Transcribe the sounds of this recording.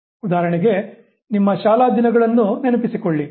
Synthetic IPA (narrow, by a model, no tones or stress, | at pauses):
ud̪aːɾɐɳiɡe̞ | nimːɐʃaːlaːd̪inɐɡɐɭɐnːunenupisikoɭːi